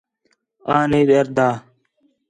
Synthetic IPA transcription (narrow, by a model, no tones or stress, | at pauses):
aːniːd̪ɐɾd̪aː